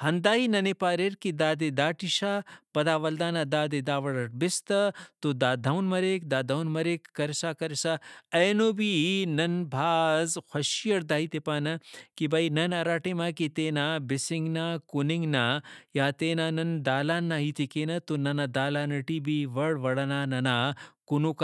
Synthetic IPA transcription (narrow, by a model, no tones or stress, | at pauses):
hɐnd̪aːinɐnepaːɾeɾkid̪aːd̪ed̪aːʈiʃaːpɐd̪aːʋɐld̪aːnad̪aːd̪ed̪aːʋɐɽɐʈ̚bɪst̪ɐt̪od̪aːd̪ʱɐwnmɐɾeːk̚d̪aːd̪ʱɐwnmɐɾeːkːɐɾsaːkɐɾsaːɐjnoːbinɐnbʱaːzxʰɐʃijɐɽd̪aːit̪epaːnɐkibɐinɐnɐɾaːʈemaːkit̪eːnabɪsiŋɡnaːkuniŋɡnaːjaːt̪eːnaːnɐnd̪aːlaːnːaɦit̪ikeːnɐt̪onɐnad̪aːlaːnɐʈibiʋɐɽʋɐɽɐnaːnɐnakunoka